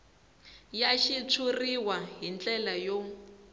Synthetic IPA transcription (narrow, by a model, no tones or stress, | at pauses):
jaʃit͡sʰuriwaɦint͡ɬʼɛlajɔ